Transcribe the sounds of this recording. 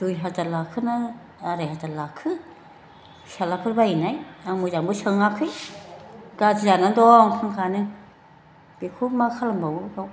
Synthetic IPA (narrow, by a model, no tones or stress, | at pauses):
d̥ujɦatatlakʰɯna | aɾajɦatalakʰɯ | salapʰɯɾbainajamuzambɯsɯŋakʰɯj | ɡad͡ʒizanandɔŋkʰaŋkʰanɯ | b̥ikʰumakʰalambawbaw